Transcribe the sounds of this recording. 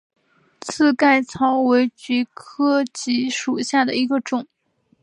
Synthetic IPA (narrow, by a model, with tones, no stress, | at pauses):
t͡sʰɹ̩˥˧ka˥˩ɪt͡sʰɑ˧˥ʊwe˧˥ɪt͡ɕy˧˥kʰɤ˥t͡ɕi˧˥ʂu˨˩ɕja˥˩d̪ə˩i˧˥ɡə˧ʈ͡ʂʊ˨˩˦ŋ